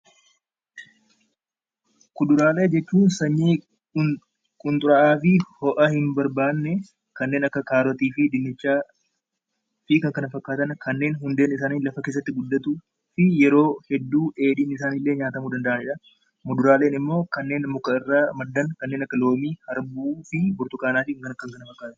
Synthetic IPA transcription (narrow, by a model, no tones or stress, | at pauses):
kʊd̪ʊɾaːle̞ːd͡ʒɛt͡ʃːuːnsɐɲːiː | kʼʊnt̪ʼʊɾɐʔaːfɪhɔʔɐhɪmbɐɾbaːnːɛ | kɐnːe̞ːnɐkːɐkaːɾɔt̪iːfɪd̪ɪnːɪt͡ʃːaː | fɪkɐŋkɐnɐfɐkːaːt̪ɐnkɐnːe̞ːnɦʊnd̪e̞ːnɪs̬aːniːlɐfɐke̞ːs̬ːɐt̪ːɪɡʊd̪ːɐt̪u | fɪjɛɾo̞ːhɛd̪ːuːe̞ːd̪iːnɪs̬aːnɪlːe̞ːɲaːt̪ɐmuːd̪ɐnd̪ɐʔɐnɪᶑɐ | mʊd̪ʊɾaːleːnɪmːo̞ːkɐnːe̞ːnmʊkɐɪrːaːmɐd̪ːɐnkɐnːe̞ːnɐkːɐlo̞ːmiːhɐɾbuːfɪbʊɾt̪ʊkaːnaːfɪŋkɐnkːɐŋkɐnɐfɐkːaːt̪ɐn